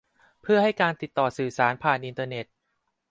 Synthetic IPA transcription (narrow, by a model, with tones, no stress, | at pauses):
pʰɯ˥˩ɐha˥˩jkaː˧nt̪i˨˩t̪ːɔː˨˩sɯː˨˩saː˩˦npʰaː˨˩nʔi˧nt̪ɤː˧ne˨˩t̪̚